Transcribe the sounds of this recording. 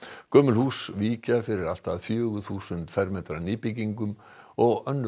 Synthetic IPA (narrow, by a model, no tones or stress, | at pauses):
kœːmʏlhuːsviːcafɪɾɪɾal̥t̪aðfjœːɣʏθuːsʏnt̪fɛɾmɛːt̪ɾanɪːpiciŋkʏm | ɔɣœnː